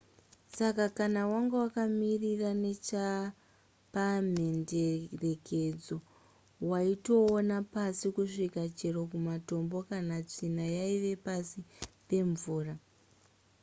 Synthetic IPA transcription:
sakakanawaŋɡewakamirirane̞t͡ʃa | pam̤endere̞ke̞d͡zo̞ | waito̞ːnapasikuʂikat͡ʃe̞rokumato̞mbo̞kanat͡ʂinajaiʋe̞pasipe̞ɱvuːra

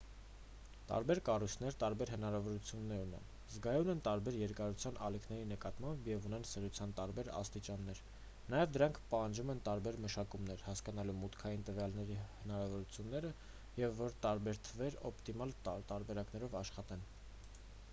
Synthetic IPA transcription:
t̪ɑ̰ɾbɛɾkɑrujt͡sʰnɛɾt̪ɑɾbɛɾɦənɑɾɑvɔɾut͡sʰjunːɛɾunɛ̰n | zɡɑjunɛnt̪ɑɾbɛɾjɛɾkɑɾut͡sʰjɑnʔɑ̰likʰnɛɾinəkɑt̪mɑmbjɛvunɛnsɛʁjut͡sʰjɑnt̪ɑɾbɛɾɑ̰st̪it͡ʃɑnːɛɾ | nɑjɛvd̪əɾɑŋkʰpɑhɑnd͡ʒumɛnt̪ɑɾbɛɾməʃɑkumnɛɾhɑskɑnɑlumut̪kʰɑjint̪əvjɑlnɛɾihənɑɾɑvɔɾut͡sʰjunːɛɾə | jɛvːɔɾt̪ɑɾbɛɾt̪ʰəvɛɾɔ̰pt̪imɑlt̪ɑɾbɛɾɑknɛɾɔvɑʃχɑt̪ɛn

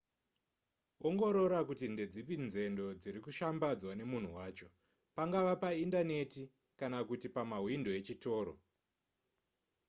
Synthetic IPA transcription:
oŋɡo̞ɾo̞ɾakutinde̞d͡zipinze̞ndo̞d͡ziɾikuʃambad͡zwane̞mun̤uwaːt͡ʃo̞ | paŋɡaʋapaindane̞ti | kanakutipamaɦwindoe̞t͡ʃito̞ːɾo̰

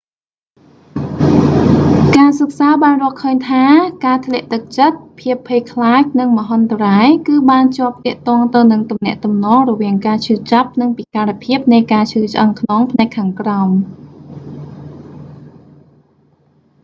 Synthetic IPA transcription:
kaːsək̚saːɓaːnrŏəlkʰəːɲt̪ʰaːkaːt̪ʰlɛ̆əʔt̪ɨk̚t͡ɕət̪̚pʰiəpʰːeːjkʰlaːc̚nɨŋmə̆ɦont̪əraːjkɨːɓaːnt͡ɕŏəp̚t̪ɛ̆əʔt̪ɔ̆əŋt̪ɨwnɨŋt̪umnɛ̆əʔt̪umnɔːŋrɔʋiəŋkaːt͡ɕʰɨːt͡ɕap̚nɨŋpikaːɾapʰiəp̚nɨjkaːt͡ɕʰɨːt͡ɕʔəŋkʰnoŋpʰnaɛkʰːaːŋkraʊm

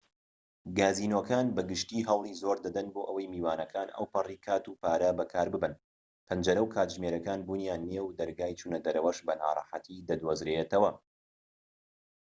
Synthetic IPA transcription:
ɡaːziːnoːkaːnbɐɡɨʃt̪iːɦɐwlˠizoːɾd̪ɐd̪ɐnboːʔɐwɐjmiːwaːnɐkʰaːnɐ̰wpɐriːkʰaːt̪uːpaːɾɐbɐkʰaːɾbɨbɨn | pʰɐnd͡ʒɐɾɐwkʰaːt̪ʒmeːɾɐkaːnbuːnjaːnːiewd̪ɐɾɡaːjt͡ʃʰuːnɐd̪ɐɾɐwɐʃbɐna̰ːɾˤɑ̰ħa̰t̪ʰid̪ɐd̪wozɾet̪ɐwɐ

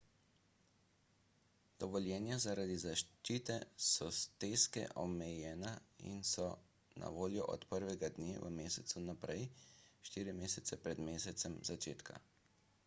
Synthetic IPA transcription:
d̪̥ɔʋɔljɛːnjazaɾad̪izaʃt͡ʃiːt̪ɛsɔst̪eːskɛ̰ʔɔmɛjɛːnaḭnsɔ | nʔa̰ʋoːljɔʔɔ̰t̪pəɾʋɛɡad̪neːʋə̰meːsɛt̪sunapɾɛjʃt̪iːɾimeːsɛt̪sɛpɾɛd̪meːsɛt̪sɛmzat͡ʃeːt̪kʰa̰

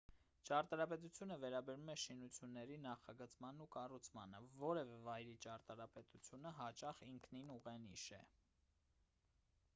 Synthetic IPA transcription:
t͡ʃɑɾt̪ɑɾɑpɛt̪̬ut͡sʰjunəvɛɾɑbɛɾumɛʃinut͡sʰjunːɛɾinɑχɑɡət͡smɑnːukɑrut͡sʰmɑ̰nəvɔɾɛvɛvɑjɾit͡ʃɑɾt̪ɑɾɑpɛt̪ut͡sʰjunəɦɑt͡ʃɑχiŋkʰninuʁɛniʃɛ̰

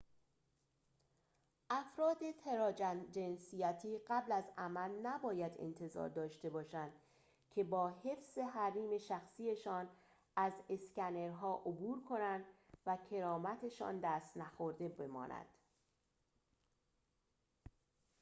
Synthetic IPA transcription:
ʔæfɾɒːd̪e̞t̪ʰeɾɒːd͡ʒænd͡ʒe̞nsijæt̪ʰiːɢæblæzæmælnæbɒːjæd̪ḛnt̪ʰe̞zɒ̰ːɾd̪ɒːʃt̪e̞bɒːʃænd̪̥ | cʰe̞bɒːɦe̞fz̥e̞ɦæɾiːme̞ʃæxsiːe̞ʃɒːn | æze̞scæneɾɦɒːʔobuːɾkʰo̞nænd̪væcʰe̞ɾɒːmæt̪ʰe̞ʃɒ̰ːnd̪æːst̪næxo̞ɾd̪e̞be̞mɒ̰ːnʔæ̰d̪̥

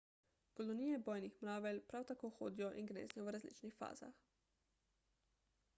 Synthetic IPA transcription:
kɔlɔniːjɛbɔːjnixmɾaːʋɛlpɾawt̪akoːxo̰ːd̪ijɔʔinɡnḛːznɛjɔʋɾazlḭːt͡ʃnixfa̰ːz̥a̰x

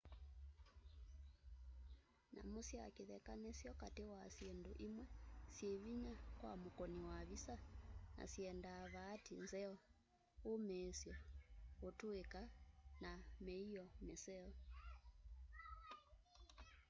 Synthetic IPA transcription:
na̰musia̰keðɛkanesjɔkatewasienduʔimwɛsieβiɲakwa̰mukɔniwaβisana̰siɛndaβaːtinzɛɔ | omɛːsjɔotuekanamɛiɔmɛsɛɔ

